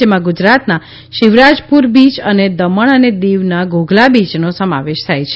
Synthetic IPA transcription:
emãɡʊd͡ʒɾat̪na | ʃɪʋɾad͡ʒpuɾbit͡ʃəned̪əməɳəned̪iʋnaɡoɡʱlabit͡ʃnosəma̰ʋeʃt̪ʰajt͡ʃʰe

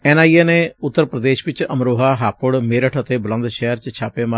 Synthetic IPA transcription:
ɛːnaːieːneːʊt̪ːəɾpɾəd̪eːʃʋɪt͡ʃəmɾoːɦaːɦaːpʊɽmeːɾəʈʰət̪eːbʊlə̃nd̪ʃɛːəɾt͡ʃt͡ʃʰaːpeːma

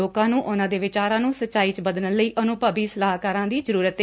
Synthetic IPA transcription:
oːkãːnũːʔʊnãːd̪eːʋɪt͡ʃaːɾãːnũːsətːt͡ʃaːiːt͡ʃbəd̪nələiːʔənũːpəbiːsəlaːɦkaːɾãːd̪iːzəɾuːɾət̪

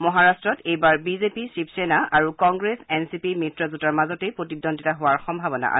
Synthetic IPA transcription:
mɔɦaɹastɹɔtejbaɹbizepisipʰsenaaɹukɔŋɡɹesɛnsipimitɹɔzutaɹmazɔtepɹotidɔntitaɦʊwaɹxɔmbʱabɔna̰ʔa̰

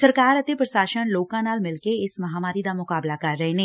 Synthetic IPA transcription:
səɾkaːɾət̪eːpɾəʃaːʃənloːkãːnaːlmɪlkeɪsməɦaːmaːɾiːd̪aːmʊkaːblaːkəɾːəeːnẽː

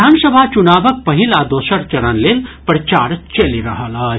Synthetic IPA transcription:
aːnsəbʱat͡ʃunaːbək̚pɐɦilad̪oːʃɐɾt͡ʃɐɾənlelpɾt͡ʃaːɾt͡ʃɐliɾɐɦalaː

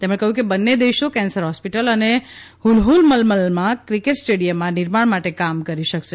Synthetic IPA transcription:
t̪emɽẽkəɦjũkebənːed̪eʃokɛ̃nsəɾɦɔspiʈələne | hulɦulməlməlmãkɾikeʈsʈeɽijəmːãnɪɾmaɳmaʈekamkəɾiʃəkʃe

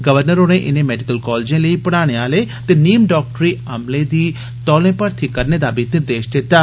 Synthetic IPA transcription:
ɡəʋəɾnəɾoːɽ̃ẽʔɪnẽːmɛːɖɪkəlkɔːld͡ʒẽːləiːpəɽ̃aːɽ̃eːaːleːt̪eːniːmɖɔːk̚ʈɾiːəmlẽːd̪iː | t̪ɔːlẽːpəɾt̪ʰiːkəɾneːd̪aːbʱinɪɾd̪eːʃd͡ʒ̪eːʈ̪aː

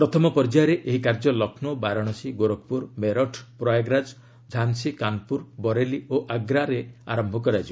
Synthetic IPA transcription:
pɾɔt̪ʰɔmɔpɔɾd͡ʒaɔɾeʔeɦikaɾd͡ʒɔlɔkʰnɔbaɾɔɽ̃ɔsiɡoɾok̚ʰpuɾmeɾɔʈʰpɾɔjaɡɾad͡ʒ | d͡ʒʱansikanpuɾbɔɾelioʔaɡɾaɾea̰ɾɔmbʱɔkɔɾad͡ʒʰi

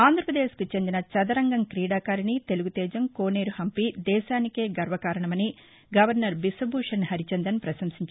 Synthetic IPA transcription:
aːnd̪ʱɾɐpɾɐd̪eːʃkit͡ʃend̪inɐt͡ʃɐd̪ɐɾɐŋɡɐŋkɾiːɽaːkaːɾinit̪e̞luɡut̪ɛːd͡ʒɐmkoːne̞ːɾuhɐmpid̪ɛːʃaːnike̞ːɡɐɾʋɐkaːɾɐɳɐmɐni | ɡɐʋɐɾnɐɾbisɐbʱuːʂɐnɦɐɾit͡ʃɐnd̪ɐnpɾɐʃɐmsiɲt͡ʃ

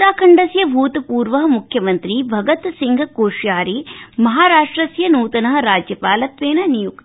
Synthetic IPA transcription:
ɾaːkʰɐɳɖɐsjɐbʱuːt̪puːɾʋɐɦɐmukʰjɐmɐnt̪ɾibʱɐɡɐt̪siŋɡʱɐkoːʂjaːɾimɐɦaːɾaːʂʈɾɐsjɐnuːt̪ɐnɐɦɐ̆ɾaːd͡ʒjɐpaːlɐt̪ʋeːnɐnijuk̪

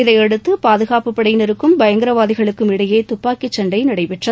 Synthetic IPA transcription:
ɪðɐɪɛɽɯt̪ːɯpaːðɯɣaːpɯpːɐɽɐjnɪɾɯkːɯmbɐjɐŋɡɪɾɐʋaːðɪɣɐɭɯkːɯmɪɽɐjeːt̪ʊpːaːkit͡ʃːɐɳɖɐɪnɐɽɐɪpɪʈrɐ

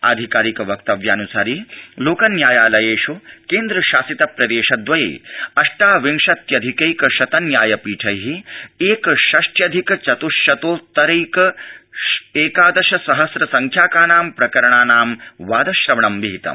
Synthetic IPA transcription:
a̰d̪ʱikaːɾikɐʋɐkt̪ɐʋjɐːnusaːɾiːloːkɐnjaːjaːlɐjeːʃukeːnd̪ɾɐʃaːsit̪ɐpɾɐd̪eːʃɐd̪ʋɐjḛːjɐʂʈaːʋiŋʃɐt̪jɐd̪ʱikejkɐʃɐt̪ɐnjaːjɐpiːʈʰɐjɦieːkʃɐʂʈjɐd̪ʱikɐt͡ʃɐt̪uʃjɐt̪oːt̪ɐɾejkɐ | eːkaːd̪ɐʃɐsɐɦɐsɾɐsɐŋkʰjaːkaːnaːmpɾɐkɐɾɐɳaːnaːmʋaːd̪ɐʃɾɐmɐɳɐmʋiɦit̪ɐ̰m

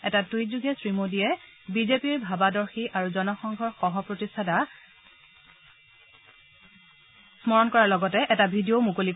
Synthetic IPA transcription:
ɛtatujzuɡɛsɹimodijɛ | bizepiɹbʱabadɔɹxiaɹuzɔnɔxɔŋɡʱɔɹxɔɦɔpɹotistʰada | smɔɹɔnkɔɹalɔɡɔtɛʔɛtabʱidiomukolik

